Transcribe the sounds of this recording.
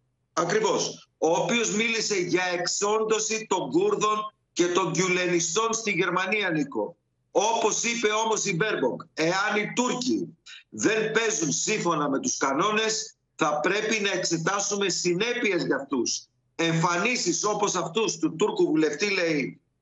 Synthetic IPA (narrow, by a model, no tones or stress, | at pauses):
ɐkɾivo̞soːpio̞zmilise̞ʝɐe̞kso̞nd̪o̞sit̪o̞ŋɡuɾðo̞n | ce̞t̪o̞ɲɟule̞nist̪o̞nst̪iʝe̞ɾmɐniɐniko̞̰ | o̞po̞sipe̞o̞mo̞sibe̞ɾboŋɡe̞ɐnit̪uɾciðe̞npe̞zunsiɱfo̞nɐme̞t̪uskɐno̞ne̞s | θɐpɾe̞pinɐe̞kse̞t̪ɐsume̞sine̞pie̞zʝɐft̪us | e̞ɱfɐnisiso̞po̞sɐft̪ust̪ut̪uɾkuvule̞ft̪ile̞i